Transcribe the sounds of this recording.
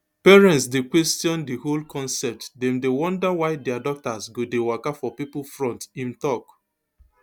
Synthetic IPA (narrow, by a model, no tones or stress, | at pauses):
pɛɹɛ̃ntsdekwɛstijɔ̃ndiholkʰɔ̃nsɛp̚tdɛ̃mdewɔ̃ndawaɪdɛadɔk̚tasɡodewakafɔpipul̩fɹɔ̃ntĩmtɔk